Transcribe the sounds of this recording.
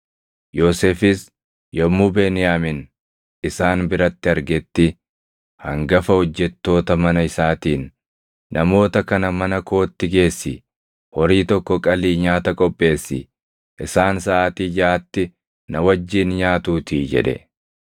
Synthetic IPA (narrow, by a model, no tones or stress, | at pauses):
joːsefɪs | jɔmːuːbeːnɪjaːmɪn | ɪsaːnbɪɾɐt̪ːɪɐɾɡɛt̪ːɪ | hɐŋɡɐfɐhɔd͡ʒːɛt̪ːo̞ːt̪ɐmɐnɐɪsaːt̪iːnː | ɐmo̞ːt̪ɐkɐnɐmɐnɐko̞ːt̪ːɪɡe̞ːsːɪ | hɔɾiːt̪ɔkːɔkʼɐliːɲaːt̪ɐkʼɔpʼːe̞ːsːɪ̰ | ʔɪsaːnsɐʔːt̪iːd͡ʒaːt̪ːɪ | nɐwɐd͡ʒːiːnɲaːt̪uːt̪iːd͡ʒɛ̰ᶑɛ̰